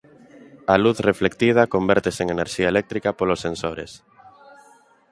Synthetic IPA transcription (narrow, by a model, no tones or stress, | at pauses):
aluθreflekt̪ið̞ɐkombɛɾt̪eseŋeneɾʃiaelɛk̚t̪ɾikapolosẽnsoɾḛs